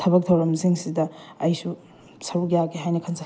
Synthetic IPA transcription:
tʰɐbɐk̚tʰɐwɾɐmziŋsidɐɐjsu | sɐɾukjaɡeɦajnɐkʰɐnsʰ

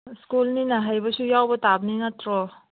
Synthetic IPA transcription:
skulninaɦajbɐsujawbɐtabninɐtʰɾɔ

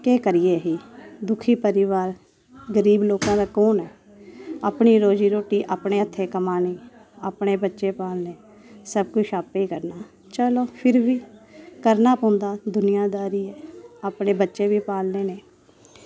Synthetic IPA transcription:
keːkəɾɪjeːɦiːd̪ʊkʰiːpəɾɪʋaːɾ | ɡəɾiːbloːkãːd̪aːkoːnɛː | aːpɳiːɾoːd͡ʒiːɾoːʈiːʔaːpɳeːət̪ʰːeːkəmaːniːaːpɽeːbətːʃeːpaːlneː | səbkʊt͡ʃʃʰaːpeːkəɾnaː | t͡ʃəloːpʰɪɾʋiːkəɾnaːpõːnd̪aːd̪ʊnɪjaːd̪aːɾiːɛːaːpɳeːbətːʃeːʋiːpaːlneːneː

